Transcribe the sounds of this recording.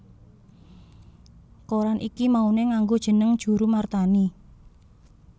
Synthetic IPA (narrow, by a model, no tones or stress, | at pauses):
koɾanʔikimauneŋaŋɡod̥ʒ̥ə̤nəŋd̥ʒ̥ṳɾumart̪ani